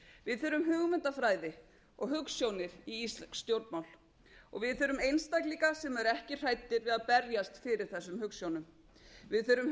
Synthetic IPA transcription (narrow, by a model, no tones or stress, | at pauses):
vɪðθœːɾʏmɦʏːɣmʏnt̪afɾaːjðɪ | ɔɣɦʏksjownɪɾ̥iist̪lsːt̪jowɾt̪mawl̥ | ɔ̰ɣvɪðθœːɾʏmejnst̪ajkliŋkasɛmɛɾɛhcɪr̥aːjt̪ːɪɾvɪðaðpɛɾjast̪fɪɾɪɾ̥θɛsːʏmhʏksjownʏm | vɪðθœːɾʏm